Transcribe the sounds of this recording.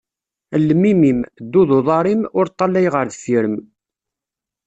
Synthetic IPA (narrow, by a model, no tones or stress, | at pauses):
əlːəmːimimd̪ːuðoðˤɑɾˤimʊɾt̪ˤːɑlːæjʁəɾðfiɾəm